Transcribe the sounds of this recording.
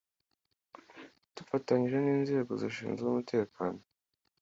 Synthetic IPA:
d̥ufataɲiʒe̞niːnzeːɡoziʃḭːnzzumutʰe̞ːkaːno

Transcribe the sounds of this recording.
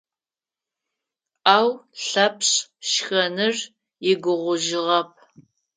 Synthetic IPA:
aːwɬɐpʰɕʃxɐnɨr | jɪɡʷʊʁʷʊʒɪʁɐp̚ʰ

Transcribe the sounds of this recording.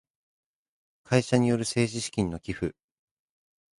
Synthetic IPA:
kʰaiɕaɲ̟ijo̞ɾɯ̟se̞ːʑiɕi̥kʲĩnːo̞kʲiɸɯ

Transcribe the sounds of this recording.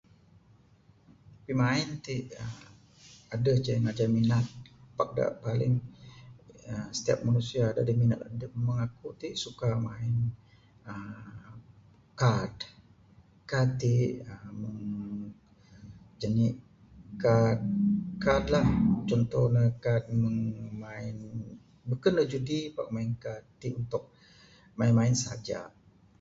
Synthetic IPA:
pimaɪnt̪iʔə | adəhd͡ʒəŋad͡ʒaminat̪̚pak̚da̰ʔpalɪŋ | əsə̥t̪ia̰p̚manusiaːda̰diminat̪adəməŋakut̪iʔsukamaɪn | ə | kad | kat̪iʔəməŋ | d͡ʒani | kad̚kad̪laht͡ʃɔnt̪ɔhnəkat̪̚məŋmaɪn | bukanləd͡ʒudipak̚maɪnkat̪iʔunt̪ʊk̚ | maɪnmaɪnsəa̰d͡ʒa̰

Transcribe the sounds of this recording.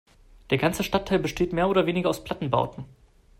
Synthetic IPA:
d̥eːɐɡant͡səʃtatʰːaɪlbəʃteːtmeːɐoːɾɐveːnɪɡɐaʊspʰl̥atn̩ba̰ʊtn̩

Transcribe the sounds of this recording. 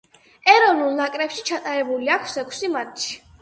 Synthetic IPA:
ɛɾɔnulˠnakʼɾɛpʃit͡ʃʰat̪ʼaɾɛbuliakʰsɛkʰsimat̪ʰʃi̥

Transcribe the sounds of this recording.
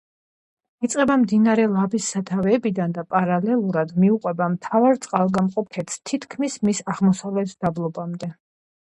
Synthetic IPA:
it̪sʼqʼɛbamd̪inaɾɛlˠabisːat̪ʰavɛːbid̪and̪apʼaɾalɛlˠuɾad̪miuqʼwɛbamt̪ʰavaɾt̪sʼqʼalˠɡamqʼɔpʰɛt̪st̪ʰit̪ʰkʰmismisaʁmɔsavlɛt̪ʰd̪̥ablˠɔbamd̪ɛ

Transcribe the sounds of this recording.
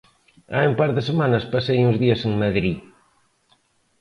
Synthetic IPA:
a̰umpaɾðɪsemanɐspasejuŋzðiɐseŋmaðɾi

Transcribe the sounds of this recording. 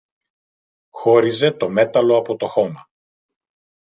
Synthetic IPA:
xo̞ɾize̞t̪o̞me̞t̪ɐlo̞ɐpo̞t̪o̞xo̞mɐ

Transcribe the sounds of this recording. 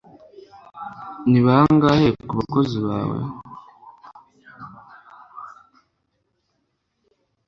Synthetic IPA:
niβahaŋɡahekuβako̞ziβa̰ːwḛ

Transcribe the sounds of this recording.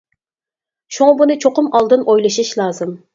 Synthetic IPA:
ʃuŋɑbunɨt͡ʃʰoqʊmɑlˠd̪ɨnojlˠɨʃɨʃlˠɑːzɨm

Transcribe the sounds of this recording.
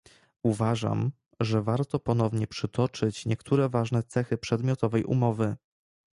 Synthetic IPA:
uvaʐa̰m | ʐɛvaɾt̪ɔpɔnɔvɲɛpʂɘt̪ɔt͡ʂɘt͡ɕɲɛkt̪ʰuɾɛvaʐnɛt̪sɛxɘpʂɛd̪mʲjɔt̪ɔvɛjʔṵmɔvɘ

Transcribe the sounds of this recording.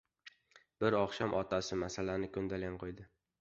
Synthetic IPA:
b̥ɪɾɒχʃamʔɒt̪ʰasɪmasalanɪkʰɵnd̪alanqʰojd̪ɪ

